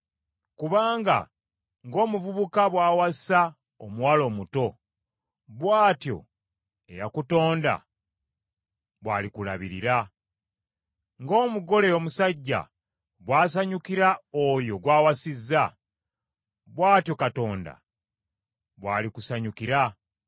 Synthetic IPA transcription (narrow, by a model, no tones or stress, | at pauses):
kuβaːŋɡa̰ | ŋɡo̞ːmuvuβukaβwaːwasa | omuwalo̞ːmuto̞ | βwaːtjo̞̰ | e̞̰jakuto̞ːnda̰ | βwaːlikula̰βḭɾḭɾa | ŋɡo̞ːmuɡo̞leomusaɟːa̰ | βwaːs̬aɲukiɾaojo̞ɡwaːwasizːa | βwaːtjo̞kato̞ːnda̰ | βwa̰ːlikusaɲukiɾa